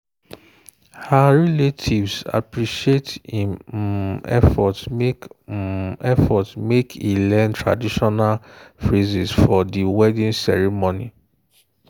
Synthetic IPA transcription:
haɹɛletʰivsa̰pɹiʃietm | ɛ̰fɔtmek | ɛfɔtmekʰilɛ̃ntɹa̰diʃɔnalfɹizisfɔdiwɛdĩnsɛɹimonḭ

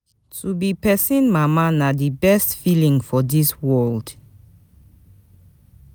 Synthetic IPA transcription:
tʰubipɛsĩnmamanadibɛstfilĩŋfɔdiswɔld

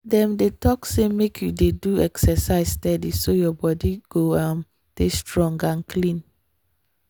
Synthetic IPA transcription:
dɛ̃mdetɔksemekʰjudeduɛksɛsaɪstɛdisojɔbɔdiɡ̥oãm | testɹɔ̃ŋɡãnkʰlĩn

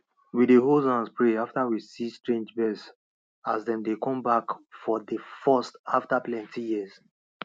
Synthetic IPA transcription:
wideɦolzãnspɹeaftawisistɹẽnd͡ʒbɛs | azdɛ̃mdekɔ̃mbakfɔdəfɛstaftaplɛ̃ntʰijiz̥

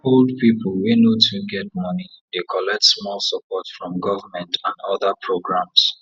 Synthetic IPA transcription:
old̚pipl̩wenotʰuɡɛt̚mɔni | dekʰɔlɛk̚tsmɔlˠsəpɔtfɹɔ̃mɡɔvamɛ̃ntãnɔðəpʰɹoɡɹãms

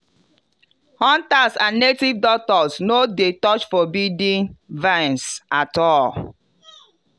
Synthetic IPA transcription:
hɔ̃ntasãnːetivdɔk̚tɔsnodetɔt͡ʃfɔbidĩnvãnsatɔl

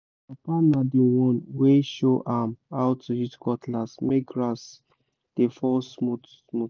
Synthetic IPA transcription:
apanadiwɔ̃nweʃoʔamaʊtːujitkɔtlasmeɡɹas | d̥efɔsmut | smu

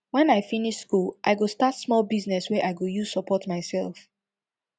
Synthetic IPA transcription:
wɛ̃naɪfiniʃskulʔa̰ɪɡostatsmɔlˠbiznɛswɛʔaɪɡojuzsəpʰɔtmaɪsɛ̰lˠf

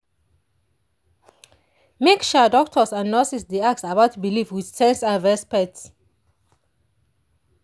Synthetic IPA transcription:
mekʃədɔk̚tʰɔsãnːɔsisdiak̚tsabatʰbilivwið̥sɛ̃nsãnɹɛspɛk̚ts

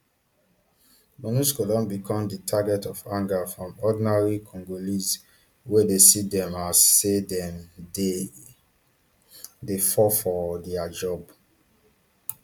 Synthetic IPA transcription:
mɔnuskolɔ̃nbikʰɔ̃mditʰaɡɛtɔfãŋɡafɹɔ̃mɔdinaɹikʰɔ̃ŋɡoliz | wedesidɛ̃masedɛm | defɔfɔdɛad͡ʒɔb

